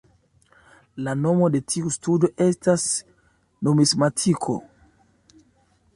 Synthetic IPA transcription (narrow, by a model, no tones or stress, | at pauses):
lano̞mode̞tʰiustudo̞ʔestas | nomismatʰikʰo̰